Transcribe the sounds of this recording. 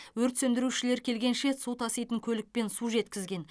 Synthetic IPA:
wɵɾt̪sɵnd̪ɪɾuʃɪle̞ɾkʲʰe̞lɡʲe̞nʃe̞sut̪ʰɑsijt̪əŋkʲʰɵlɪk̚pe̞nsuʒe̞t̪kʲɪzɡʲe̞n

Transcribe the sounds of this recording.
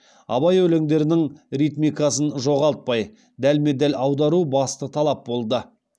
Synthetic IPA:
ɑ̰bɑjɵle̞ŋd̪e̞ɾɪnɪŋɾijt̪mʲijkɑsənʒo̞ʁɑlˠt̪̚pɑj | d̪ælmed̪ælɑwd̪ɑɾubɑst̪ət̪ʰɑlˠɑp̚bo̞lˠd̪ə

